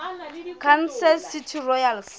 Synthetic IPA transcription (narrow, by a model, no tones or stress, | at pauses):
kʰansɛlsitʰirɔjals